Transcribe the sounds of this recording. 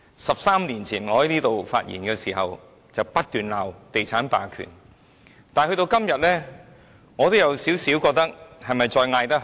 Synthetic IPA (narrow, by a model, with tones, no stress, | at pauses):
sɐ˨p̚saː˥mniː˨˩nt͡sʰiː˨˩nŋɔː˨˧hɐ˨˥jniː˥t̪o˨wfaː˧t̚jḭ˨˩nkɛː˧siː˨˩hɐ˨w | t͡sɐ˨wpɐ˥t̚t̪yː˨nlaː˨wt̪e˨jt͡sʰaː˨˥npaː˨˩kʰy̰ː˨˩n | t̪aː˨nhɵ˧ɥt̪o˧wkɐ˥mjɐ˨t̚lɛː˥ | ŋɔː˨˧t̪o˥wjɐ˨˧wsiː˨˥wsi˨˥wkɔː˧k̚t̪ɐ˥k̚hɐ˨jmɐ˨jt͡sɔː˧jŋaː˧jt̪ɐ˥